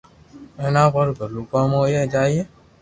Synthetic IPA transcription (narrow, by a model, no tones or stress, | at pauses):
ɛnãbɔɾɡəlukɔ̃mojɛd͡ʒaje